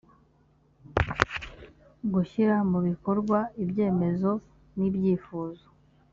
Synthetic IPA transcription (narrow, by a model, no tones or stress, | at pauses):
ɡuçiɾamuβiko̞ɾɡwaibje̞ːme̞zo̞ | nibjiːfuːzo̥